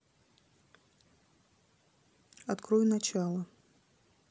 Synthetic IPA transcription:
ɐt̪kɾɔjunɐt͡ɕalˠɐ

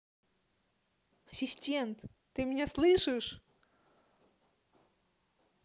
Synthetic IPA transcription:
ɐɕʲiɕʲtʲɛnt̪ː | ɨmʲnʲɛslˠɨʂɨʂ

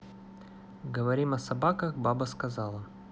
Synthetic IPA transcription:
ɡəvɐɾʲimɐsɐbakəxbabəskɐzɑlˠə

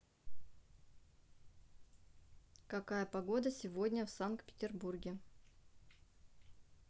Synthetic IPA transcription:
kɐkajəpɐɡod̪əsʲɪvo̞dʲnʲəfsankt̪pʲɪ̥tʲɪrburɡʲɪ

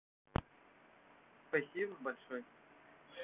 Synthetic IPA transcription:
spɐsʲibɐbɐlʲʂoj

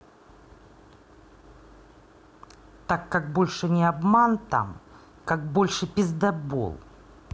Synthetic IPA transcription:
t̪akːak̚bo̞lʲʂɨnʲɪɐbmant̪a̰m | kak̚bolʲʂɨpʲɪzd̪ɐbo̰lˠ

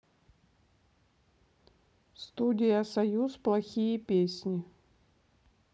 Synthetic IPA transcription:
st̪udʲɪjəsɐjusplˠɐxʲijəpʲesʲnʲɪ

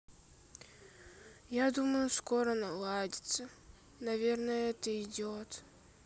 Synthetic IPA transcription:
jad̪uməjʊskoɾənɐlˠadʲɪ̥t̪sə | nɐvʲernəjəɛt̪əɪdʲot̪

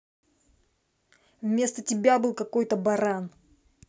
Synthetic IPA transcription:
vmʲe̞st̪ətʲɪbʲabɨlˠkɐko̞jt̪əbɐɾan

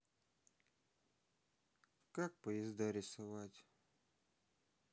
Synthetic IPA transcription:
kak̚pɔjɛzd̪aɾʲɪsɐʋatʲ

